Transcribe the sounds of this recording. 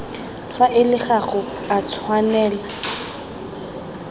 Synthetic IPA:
faʔɪlɪχaχʊ | at͡sʰwanɛːla

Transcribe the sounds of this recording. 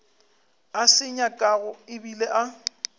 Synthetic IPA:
asɪɲakʼaɣʊɪbileʔa

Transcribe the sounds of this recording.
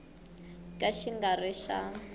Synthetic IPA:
kʼaʃiŋɡaɾɛʃa

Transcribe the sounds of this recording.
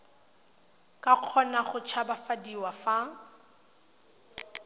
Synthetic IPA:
kʼaq͡χʰɔnaχʊt͡ʃʰabafadiwafa

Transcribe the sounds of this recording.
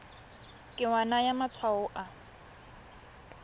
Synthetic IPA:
kʼɪwanajamat͡sʰwaʊʔa

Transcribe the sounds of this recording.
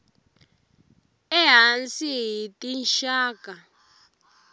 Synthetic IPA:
ɛɦansiɦitʼinʃaːkʼa

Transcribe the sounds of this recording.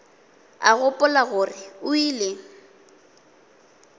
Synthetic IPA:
aɣʊpʼʊlaɣʊrɪʊiːlɪ

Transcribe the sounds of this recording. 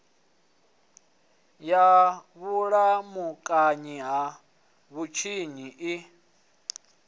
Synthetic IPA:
jaβuɺamukʼaɲiɦa | βut͡ʃʰiɲiʔi

